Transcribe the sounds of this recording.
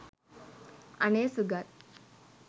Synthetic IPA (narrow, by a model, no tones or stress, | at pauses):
ə̰nesuɡʱat̪̚